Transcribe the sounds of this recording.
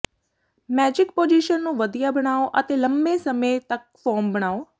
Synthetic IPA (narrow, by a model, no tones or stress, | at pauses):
mɛːd͡ʒɪk̚poːd͡ʒiʃənːũːʋəd̪ijaːbəɽ̃aːoʔət̪eːləmbeːsəmẽt̪ək̚fɔːɾmbəɽ̃aːoː